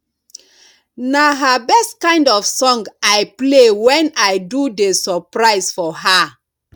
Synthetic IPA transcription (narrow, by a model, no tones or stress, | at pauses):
naɦabɛstkãɪ̃ndɔfsɔ̃ŋɡaɪplewɛ̃naɪdudesɔpɹaɪzfɔɦa